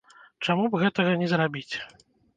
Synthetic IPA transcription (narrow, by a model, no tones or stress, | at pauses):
t͡ʂamubɣɛt̪ɐɣɐnʲɛzɾabʲit͡sʲ